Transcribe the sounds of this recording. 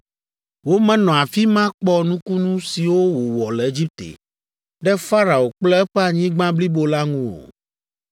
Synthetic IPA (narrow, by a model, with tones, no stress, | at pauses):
wo˦mɛ̃˦nɔ̃˨a˨fi˦mã˦k͡pɔ˦nũ˦ku˦nũ˦si˨wo˦wo˨wɔ˨lɛ˨e˦d͡ʑi˦p̚t̪ḛ˨ | ɖɛ˦fa˦ɾa˨o˨k͡plɛ˦ɛ˦ɸɛ˦a˨ɲĩ˦ɡ͡bã˦bli˦bo˦la˦ŋũ˦wo̰˨